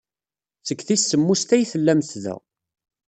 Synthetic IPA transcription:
t͡səkːθisːəmːust̪æjθəlːæmθðæ̰

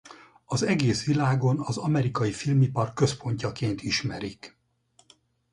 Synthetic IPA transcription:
ɒzɛɡeːsʋilaːɡo̞nɒzɒmɛɾikɒjifilmipɒrkːø̞spo̞ɲcɒkeːnt̪iʃmɛɾik

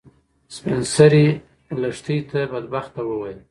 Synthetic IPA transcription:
spɾɪnsaɾi | laʂt̪it̪abad̪̚baxt̪ːawəwajəl

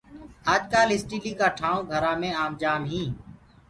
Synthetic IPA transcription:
aːd͡ʒkaːlɪsʈiːliːkaːʈʰaːõːɡʱəɾãːmẽːaːmd͡ʒaːmɦĩː

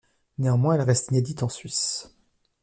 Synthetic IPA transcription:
neɑ̃mwɛ̃ɛlʁɛst̪ined̪it̪ɑ̃sɥis

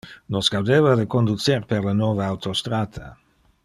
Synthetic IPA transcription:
nosɡ̥awd̪eːvad̪əkond̪ut͡serperlanoːvaawt̪ost̪ɾaːt̪ʰa̰

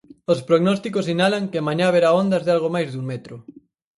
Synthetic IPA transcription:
ospɾoɣnɔst̪ikosinalaŋkeɪamaɲaβeɾaond̪ɐzðɪalɣomajzðuŋmɛt̪ɾʊ

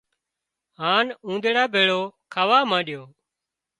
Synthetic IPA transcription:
ɦaːnũːnd̪eɽaːbʱeːɭoːkʰaːʋaːmãːɗɪjoː

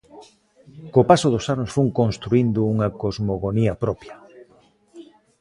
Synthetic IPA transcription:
kopasoð̞ʊsanʊsfuŋkonst̪ɾuind̪ʊuŋɐkozmoɣoniɐpɾɔpjɐ

